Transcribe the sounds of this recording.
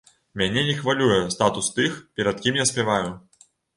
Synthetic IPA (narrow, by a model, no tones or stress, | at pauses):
mʲanʲɛnʲɛxvalʲujɛst̪at̪ust̪ɨxpʲɛɾɐt̪̚kʲimjasʲpʲɛvaju